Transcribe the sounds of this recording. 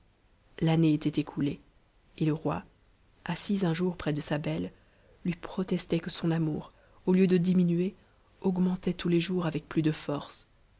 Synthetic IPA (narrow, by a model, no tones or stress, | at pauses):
laneet̪ɛt̪ekʰule | eləʁwa | asizɛ̃ʒuʁpχɛd̪əsabɛlː | ɥipχɔt̪ɛst̪ɛkəsɔ̃namṵːʁ | oljød̪əd̪iminɥe | ɔɡmɑ̃t̪ɛt̪uleʒuʁavɛk̚plyd̪əfɔʁs